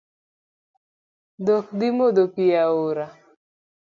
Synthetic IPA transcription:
d̪okd̪ɪmod̪opɪjaoɾa

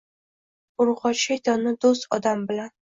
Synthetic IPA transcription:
ʊɾʁɒt͡ʃajd̪ɒnɪd̪ost̪ɒd̪ambɪlan

